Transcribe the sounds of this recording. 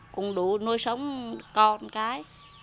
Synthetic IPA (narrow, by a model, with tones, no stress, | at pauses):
kʊ̰˧˩ŋ͡mɗu˧˩˦no˧jsə˨˦wŋ͡mkɔ˧˩nkaː˨˦j